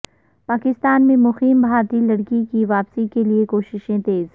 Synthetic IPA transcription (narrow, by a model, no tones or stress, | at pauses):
paːkɪst̪aːnmẽmʊxiːmbʱaːɾt̪ilɐɽkikiʋaːpsikeliekoːʃɪʃẽt̪eːz